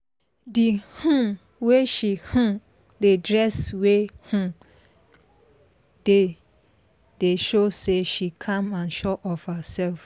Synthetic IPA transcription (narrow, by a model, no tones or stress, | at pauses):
dihũm | weʃihũ | dedɹɛswehũ | d̥e | d̥eʃoseʃikʰãmãnʃɔʔɔfhasɛlf